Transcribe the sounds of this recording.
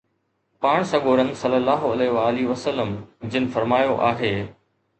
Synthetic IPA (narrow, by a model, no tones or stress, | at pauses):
paːɽ̃sɐɡoːɾən̆sɐlːəlːaːɦʊɐleːʋaːliʋəsəlːəmd͡ʑɪnɪ̆fɐɾmaːjoʔaːɦeː